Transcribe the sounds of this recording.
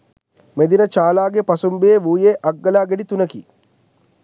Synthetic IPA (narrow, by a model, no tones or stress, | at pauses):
med̪inət͡ʃaːlaːɡepɐsumbejeʋuːjeːʔɐɡːɐlaːɡeɖit̪unəkḭ